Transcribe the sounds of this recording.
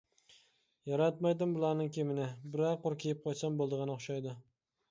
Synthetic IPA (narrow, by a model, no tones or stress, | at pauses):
jɒɾat̪majd̪ɪmbʊlˠaɾnɪŋkʲʰemɪnɪbɪɾaqoɾkʲʰejɪp̚qʰɒt̪sambolˠd̪ɨʁɨnɪoχʃajd̪ɪ